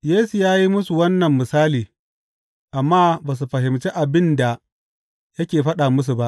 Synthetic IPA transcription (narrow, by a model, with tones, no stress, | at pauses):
jeː˦su˨jaː˦ji˦mʊ˦su˨wɐ˦nːɐ˨mːɪ˨saː˦liː˨ | ʔa˨mːaː˦baː˨s̬u˨ɸɐ˨ɦɪ˨mt͡ʃe˦ʔa˨bɪ˦nda˨ | jɐ˦kʲeː˨ɸɐ˦ɗa˨mʊ˦s̬u˨ba˦ʔ